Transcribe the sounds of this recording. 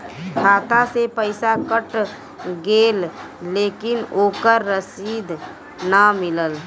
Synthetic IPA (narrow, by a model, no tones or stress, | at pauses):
kʰaːt̪asepəɪsakəʈ | ɡelː | eːkɪnoːkəɾːəsid̪ʱ | nəmɪləl